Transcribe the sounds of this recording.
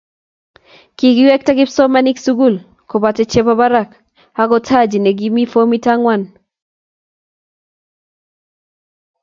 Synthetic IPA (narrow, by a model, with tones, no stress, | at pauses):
ki˨ɡi˦wɛ˦k̚ta˦kɪ˦psɔ˦ma˦ni˦ksu˦ɡu˦˨l | ko˨ba˨tɛ˦t͡ʃe˦ba˦ba˦ɾa˨k | a˦kɔ˦tʰa˦˨d͡ʒi˨ne˨ɡi˦mi˦fo˦mi˦ta˦ŋwa˦˨n